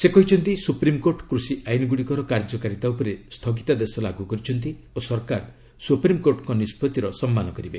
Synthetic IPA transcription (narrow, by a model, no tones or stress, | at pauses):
sekɔɦit͡ʃʰɔnt̪isupɾimkoɾʈkɾusiʔajnɔɡuɽikɔɾɔkaɾd͡ʒɔkaɾit̪aupɔɾest̪ʰɔɡit̪ad̪esɔlaɡukɔɾit͡ʃʰɔnt̪i | osɔɾkaɾ | supɾimkoɾʈkɔnispɔt̪iɾɔsɔmːanɔkɔɾibe